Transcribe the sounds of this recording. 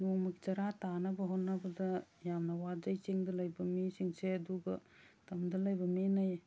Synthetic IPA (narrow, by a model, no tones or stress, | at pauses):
numakt͡ʃɐɾatanɐbɐɦɔnːabɐdɐjamnɐwad͡ʒajt͡ʃiŋdɐlɐjbɐmisiŋseɐduɡɐtɐmdɐlɐjbɐminaj